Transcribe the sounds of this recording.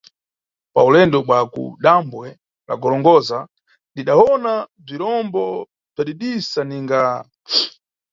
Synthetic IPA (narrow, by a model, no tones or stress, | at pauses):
paulɛndɔɓwakṵɗambwɛ | ɾa̰ɡɔlɔŋɡɔza | ndiɗaɔnab͡ʐiɾɔmbɔ | b͡ʐaɗiɗisaniŋɡa